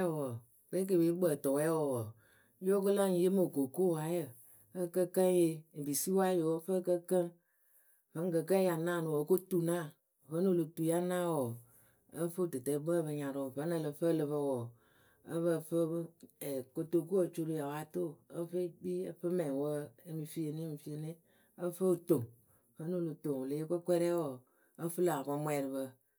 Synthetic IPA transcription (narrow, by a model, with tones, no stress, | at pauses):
wɔ˨ | ke˦k̬e˨be˦ɡ͡bə˨tɔ˨wɛ˨˦wɔ˨wɔ˨˦ | jo˦kɨ˦la˦je˦mo˨ko˨ko˦˨wa˨˦jə˨ | ə˦kə˦kə˦je˧˨bi˨si˦wa˦jo˨˦fə˦kə˦kə˦ | və˨˦kə˨kə˦ja˨nã˦˨nu˨wɔ˨ko˦tu˦na˦˨ | və˨˦no˦˨lo˨tu˨ja˦nã˦˨wɔ˨ | ə˦fə˦˨tɨ˨tə˨˦bə˦˨bə˧ɲa˨ɾɔ˨və˨˦nə˧˨lə˧fə˦˨lɨ˧βə˧wɔ˨ | ə˦βə˦˨fə˦bɛ˨ko˧to˨ku˦o˦˨t͡ʃo˧ɾu˨˧ja˨wa˨˦to˦˨ə˦fe˦ɡ͡bi˦ə˦fə˦mɛ˨wə˦e˦mi˨fi˦e˨ni˦mi˨fi˦e˨ni˦ | ə˦fə˦o˨to˨ŋ | fə˦no˦˨lo˨to˨ŋ˨le˨˦e˦kə˦kʷɛ˦ɾɛ˦wɔ˨ | ə˦fɨ˦la˨kɔ˧mwɛ˨ɾɨ˨βə˧